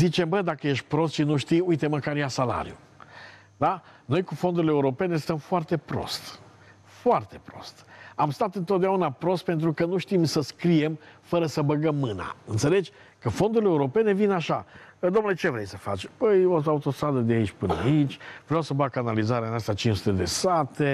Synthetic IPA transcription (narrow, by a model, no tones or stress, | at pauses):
zit͡ʃe̞mbəd̪akəje̞ʃt̪̚ʲpɾo̞st̪ʃinuʃt̪ijujt̪e̞məkaɾjasala̰ɾijṵ | d̪ano̞jkufo̞nd̪uɾileuɾo̞pe̞ne̞st̪əmfoart̪e̞pɾo̞̰st̪ | foart̪e̞pɾo̞st̪amst̪at̪ɨnt̪ot̪d̪eaunapɾo̞st̪̚pe̞nt̪ɾukənuʃt̪imsəskɾije̞mfəɾəsəbəɡəmːɨna̰ɨnt̪se̞le̞d͡ʒ | kəfo̞nd̪uɾileuɾo̞pe̞ne̞vinaʃad̪o̞mnule̞t͡ʃe̞vɾe̞jsəfa̰t͡ʃpəjosaut̪o̞st̪ɾad̪əd̪eait͡ʃʲpɨnəait͡ʃʲvɾejawsəbakanalizaɾeanast̪at͡ʃinsut̪e̞d̪e̞sat̪e̞